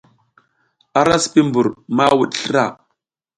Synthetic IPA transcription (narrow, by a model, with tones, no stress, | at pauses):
a˦ɾa˦spi˦mbu˨ɾma˦wu˨ɗɬə˦ɾa˦˨